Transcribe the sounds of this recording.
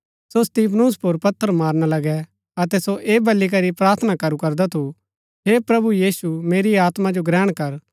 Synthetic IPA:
sost̪iːpʰnuːspoɾpɐt̪ʰːəɾmaːɾñalɐɡɛ | ɐt̪ɛsoʔeːbɐlːik̬ɐɾipɾaːɾt̪ʰənakɐɾukɐɾd̪at̪ʰu | ɦeːpɾɐbujiːsumeːɾiaːt̪mãd͡ʒoɡɾɛːɽ̃kɐɾ

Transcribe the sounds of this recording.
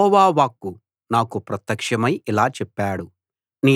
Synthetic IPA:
ɔːʋaːʋaːkːu | naːkupɾɐt̪jɐkʂɐmɐjilaːt͡ʃɛpːaːɽu | niː

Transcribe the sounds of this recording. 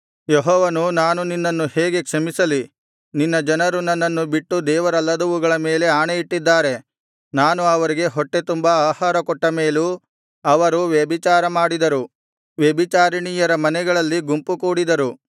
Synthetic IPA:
jeɦɔːʋɐnunaːnuninːɐnːuheːɡe̞kʂɐmisɐli | ninːɐd͡ʒɐnɐɾunɐnːɐnːubiʈːud̪ɛːʋɐɾɐlːɐd̪ɐʋuɡɐɭɐmeːle̞aːɳejiʈːid̪ːaːɾe̞ | naːnuɐʋɐɾiɡe̞ɦɔʈːe̞t̪umbɐaːhaːɾɐkɔʈːɐmeːlu | ɐʋɐɾuʋjɐbit͡ʃaːɾɐmaːɽid̪ɐɾu | ʋjɐbit͡ʃaːɾiɳijɐɾɐmɐnɛɡɐɭɐlːiɡumpukuːɽid̪ɐɾu

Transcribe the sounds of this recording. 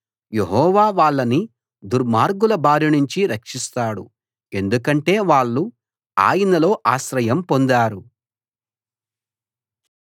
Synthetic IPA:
je̞ɦɔːʋaːʋaːɭːɐni | d̪uɾmaːɾɡulɐbaːɾjinuɲt͡ʃiɾɐkʂist̪aːɽṵ | e̞nd̪ukɐɳʈe̞ːʋaːɭːu | a̰ːjinɐlo̞ːʔaːʃɾɐjɐmpo̞nd̪aːɾu

